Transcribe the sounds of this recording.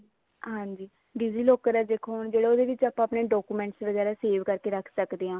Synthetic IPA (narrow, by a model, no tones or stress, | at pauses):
ɦãːɲd͡ʒiː | ɖiːziːloːkːəɾaːd͡ʒ̪eːkʰoːɳd͡ʒeːɽaoːd̪eːʋɪt͡ʃaːpãːpneːɖɔːkuːmɛ̃ːɳʈsʋəɡɛːɾaːseːʋkəɾkeːɾəkʰsəkd̪eːãː